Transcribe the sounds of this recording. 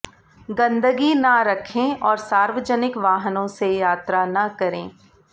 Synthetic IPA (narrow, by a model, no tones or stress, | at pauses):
ɡɐ̃nd̪əɡinɐɾɐkʰẽɔːɾsaːɾʋəd͡ʒənɪkʋaːɦnõsejaːt̪ɾanɐkɐɾẽː